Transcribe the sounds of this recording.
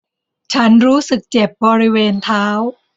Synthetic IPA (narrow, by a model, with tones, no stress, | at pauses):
t͡ɕʰa˦˥nɾuː˦˥sɯ˨˩k̚t͡ɕe˨˩p̚bɔː˧ɾi˦˥weː˧nt̪ʰaː˦˥w